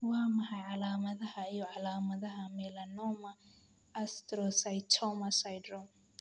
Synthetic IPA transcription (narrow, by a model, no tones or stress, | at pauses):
wamahaʕalamaðahaijɔʕalamaðaɦamɛlanɔmaː | stɾɔsajtʰɔmasajdɾɔm